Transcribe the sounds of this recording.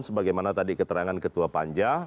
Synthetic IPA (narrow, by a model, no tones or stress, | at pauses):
nsəbaɡajmanat̪adikət̪əɾaŋankət̪uapaɲd͡ʒa